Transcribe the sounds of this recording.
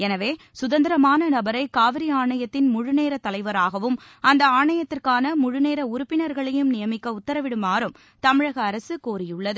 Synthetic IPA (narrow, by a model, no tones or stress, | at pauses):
ɛnɐʋeː | sʊðɐnd̪ɪɾɐmaːnɐnɐbɐɾɐɪkaːʋɪɾiaːɳɐjɐt̪ːɪnmʊɻʊneːɾɐt̪ːɐlɐɪʋɐɾaːɣɐʋɯm | ɐnd̪ɐaːɳɐjɐt̪ːɪrkaːnɐmʊɻʊneːɾɐʊɾʊpːɪnɐɾɣɐɭɐjɯmnɪjɐmɪkːɐʊt̪ːɐɾɐʋɪɽɯmaːɾɯm | t̪ɐmɪɻɐɣɐːɾɐsɯkoːɾɪjʊɭːɐðɯ